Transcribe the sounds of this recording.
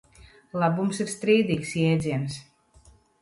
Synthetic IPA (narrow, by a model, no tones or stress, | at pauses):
labumsiɾst̪ɾiːd̪iksjɛːdzʲins